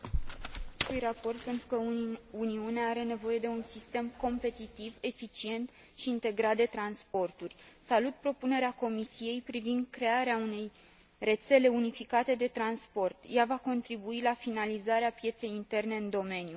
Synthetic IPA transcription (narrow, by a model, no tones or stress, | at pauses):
st̪ujrapo̞rt̪̚pe̞nt̪ɾukəuniuneaaɾe̞ne̞vo̞je̞d̪e̞unsist̪e̞mko̞mpe̞t̪it̪ive̞fit͡ʃie̞nt̪ | ʃiːnt̪e̞ɡɾat̪̚d̪e̞t̪ɾanspo̞rt̪urʲsalut̪̚pɾo̞pune̞ɾeako̞misije̞jpɾivind̪kɾe̞aɾeaune̞j | re̞t̪se̞le̞unifikat̪e̞d̪e̞t̪ɾanspo̞rt̪javako̞nt̪ɾibuilafinalizaɾeapje̞t̪se̞jint̪e̞rne̞ɨnd̪o̞me̞nju